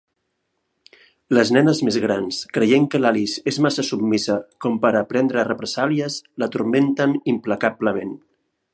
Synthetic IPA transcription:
ləznɛnəzmezɣɾanskɾəjeŋkəlalizezmasəsubmisəkɔmpəɾəpɾɛnd̪ɾərəpɾəzaliəslət̪urment̪ənimpləkabləmen

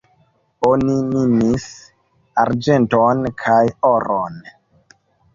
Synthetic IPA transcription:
oninimis | aɾd͡ʒe̞ntonkʰajoɾon

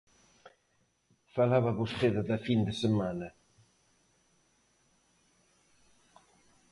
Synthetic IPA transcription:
falaβaβusχeðaðafind̪əsəmana

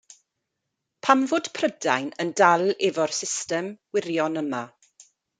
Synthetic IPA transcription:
pʰamvʊːd̥pʰrədajnəndalɛvɔrsɪstɛmwɪrjɔnəma

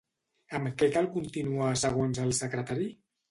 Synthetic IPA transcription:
əmkɛkalˠkunt̪inuasəɣ̞onzəlˠsəkɾət̪aɾi

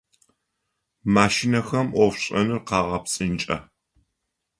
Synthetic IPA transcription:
maːʃinɐxɐmʔʷɔfɕʼɐnɨrqɑːʁɐpsʼɨnt͡ʃʼɐ̰

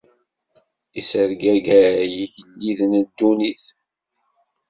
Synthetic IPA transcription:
isəɾɡæɡæjiçəlːiðnəd̪ːuniθ

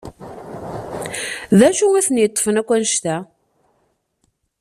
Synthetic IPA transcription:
ðæʃuæθənjət̪ˤːfənækʷːænʃt̪æ

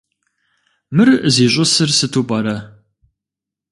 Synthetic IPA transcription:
mɨrziːɕʼʊsɨrsɨtʰuːpʼɐɾɐ

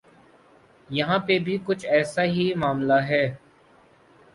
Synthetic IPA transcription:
jɐɦãːpebʱikʊt͡ʃʰɛːsaɦimaːmlaɦɛː

